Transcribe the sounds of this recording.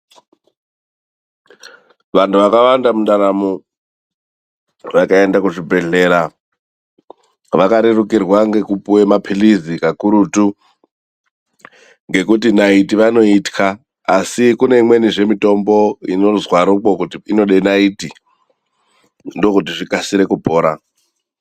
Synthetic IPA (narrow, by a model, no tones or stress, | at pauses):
ʋantʰuʋakawandamunɗaɾamo | ʋakae̞ndakuʐibʱe̞ɮe̞ːɾa | ʋakaɾerukirwaŋɡe̞kupuwemapʰilizikakuɾutu | ŋɡe̞kut̬inaitiʋano̞itkʰaː | sikune̞imwe̞niʐe̞mito̞mbo̞ḭno̞zwaɾukokutiino̞ɗe̞naiti | ndo̞kut̬iʐikasiɾe̞kubʱoːɾa